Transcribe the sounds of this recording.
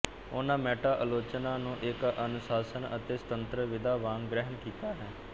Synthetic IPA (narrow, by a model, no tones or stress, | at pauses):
ʊnãːmɛːʈaːʔəloːt͡ʃnaːnũːʔɪkənʊsaːsənə̰t̪eːsə̥t̪ənt̪ɾəʋɪd̪aːʋaːŋɡɾɛɦəmkiːt̪aːɦɛː